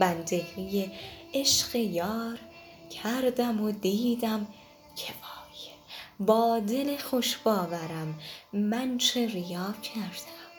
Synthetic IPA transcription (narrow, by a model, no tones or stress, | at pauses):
bænd̪eɣijeeʃɢejɒːɾ | cʰæɾd̪æmod̪iːd̪æm | cʰeʔɒːj | bɒːd̪elexoʃbɒːvæɾæmːænt͡ʃʰeɾijɒːcʰæɾd̪̥æm